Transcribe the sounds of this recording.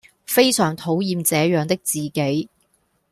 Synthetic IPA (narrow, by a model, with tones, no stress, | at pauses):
fe˥jsœː˨˩ŋt̪ʰo˨˥wjiː˧mt͡sɛː˨˥jœː˨˧ŋt̪ɪ˥k̚t͡siː˨ke˨˥j